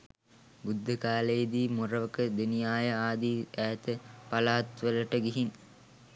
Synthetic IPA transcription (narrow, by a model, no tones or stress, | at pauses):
bud̪ːəkaːlejəd̪iːmuɾəʋəkəd̪enijaːjəaːd̪iːæːt̪əpalaːt̪ʋələʈəɡiɦin